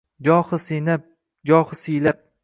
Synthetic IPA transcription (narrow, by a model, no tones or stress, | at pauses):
ɡʲɒhɨsinap̚ | ɡʲɒhɨsijlap̚